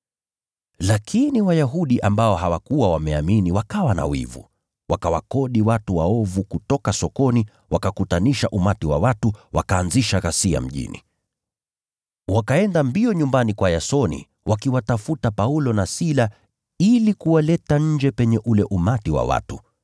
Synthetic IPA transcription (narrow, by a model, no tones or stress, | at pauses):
lakʰiniwajaɦuɗiʔambaɔɦawakuwawamɛaminiwakawana̰wḭvṵ | wakawa̰kɔɗiwatuwaɔvukutɔkasɔkɔni | wakakutaniʃaʔumatiwa̰watuwa̰kaːnziʃaɣasia̰m̩ʄḭnḭ | wakaɛndambiɔɲumbanikwajasɔnḭ | wʔakiwatafutapaulɔnasila | ilikuwalɛtaɲ̩d͡ʒɛpɛɲɛʔulɛʔumatiwa̰wa̰tu